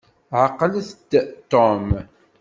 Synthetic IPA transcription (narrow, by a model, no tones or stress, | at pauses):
ʕəqːəlθd̪t̪ːɔm